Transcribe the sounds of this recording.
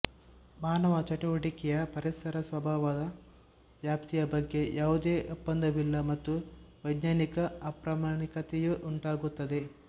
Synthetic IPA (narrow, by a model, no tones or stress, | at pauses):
maːnɐʋɐt͡ʃɐʈuʋɐʈikɛjɐpɐɾisɐɾɐsʋɐbʱaːʋɐd̪ɐ | ʋjaːpt̪ijɐbɐɡːe̞jaːʋud̪eːʔupːɐnd̪ɐʋilːɐmɐt̪ːuʋɐjd̪ɲaːnikɐɐpɾɐmaːɳikɐt̪ejuʔuɳʈaːɡut̪ːɐd̪e̞